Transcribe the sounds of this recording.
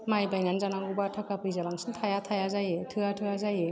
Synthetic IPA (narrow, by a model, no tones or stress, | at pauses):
majbajnanzanaŋɡubatʰakʰapʰɯjzabaŋsɯntʰajatʰajazajetʰɯatʰɯazaje